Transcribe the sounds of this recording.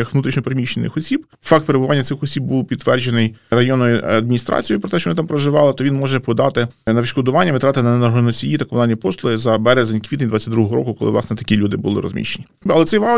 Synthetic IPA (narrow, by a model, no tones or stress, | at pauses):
ɐxʋnut̪ɾʲit͡ʃnɔpɾemʲiʃt͡ʃenɪ̰xɔsʲib | fɑkt̪̚peɾebʊʋɑnʲːɐt̪sɪxɔsʲib̚buwpʲid̪t̪ːʋɛrd͡ʒenɪjrɐjɔnːɔjʊɐd̪mʲinʲist̪ɾʔɑ̰t͡sʲijipɾɔt̪ɛʃt͡ʃɔjnɪt̪ɑmpɾɔʒɪʋɑlˠɪt̪ɔʋʲinmɔʒɛpɔd̪ɑt̪ɪnɐʋɪʃkɔd̪ʊʋɑnʲːɐmɪt̪ɾɑt̪ɪnɐnnɐrɦɔnɔsʲijit̪ɐkɔʋd̪anʲːɐpɔslˠʊɪzɐbɛɾezenʲkʋʲit̪enʲd̪ʋɑt͡sʲːɐtʲd̪ɾuɦɔɦɔɾɔ̰kʊkɔlˠɪ̰lˠɑ̰snɛt̪ɐ̥kʲilʲud̪ɪbʊlˠɪ̰ɾɔ̰zmʲḭʃenʲiɐlˠɛt̪sɛjʋɑ